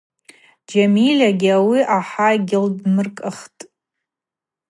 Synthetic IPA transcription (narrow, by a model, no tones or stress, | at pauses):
d͡ʒamilʲaɡʲiawiʔaħaɡʲɪldmɨrkʼɨχtʼ